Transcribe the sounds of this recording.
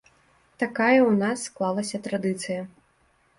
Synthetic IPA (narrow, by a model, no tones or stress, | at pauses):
t̪akajɐwnasːklˠalˠɐsʲɐt̪ɾad̪ɨt̪sɨjɐ